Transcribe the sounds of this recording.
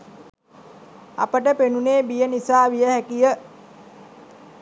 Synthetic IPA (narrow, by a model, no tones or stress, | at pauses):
a̰pəʈəpenuneːbijənisaːʋijəhækijə